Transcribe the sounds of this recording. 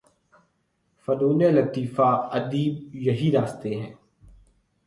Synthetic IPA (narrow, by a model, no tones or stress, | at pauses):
fəduːneːlət̪iːfaːɐd̪iːb̚jɐɦiɾaːst̪eɦɛ̃ː